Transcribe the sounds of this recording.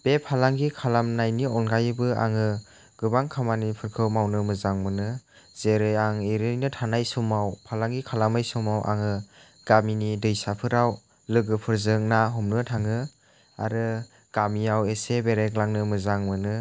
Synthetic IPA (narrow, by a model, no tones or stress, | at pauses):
b̥epʰalaŋɡikʰalamnajniɔnɡajɯbɯa̰ŋɯ | ɡɯbaŋkʰamanipʰɯɾkʰɯwmawnɯmɯzaŋmɯnɯ | z̥eɾɯjaŋiɾɯjnɯtʰanajsɔmawpʰalaŋɡikʰalamajsɔmawʔa̰ŋɯ | ɡ̥aminidɯjsapʰɯɾaw | lɯɡɯpʰɯɾzɯŋnaɦumnɯtʰaŋɯ | a̰ɾɯ | ɡ̥amiawesebeɾeklaŋnɯmɯzaŋmɯnɯ